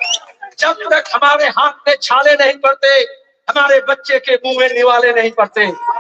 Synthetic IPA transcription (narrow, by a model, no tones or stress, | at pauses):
t͡ʃəbɾəkʰɦəmaːɾeɦaːt̪̚mẽt͡ʃʰaːlenɐɦĩpəɾt̪e | ɦɐmaːɾebətːʃekʰeːmũːʋẽnɪʋaːlenɐɦĩnpəɾt̪eː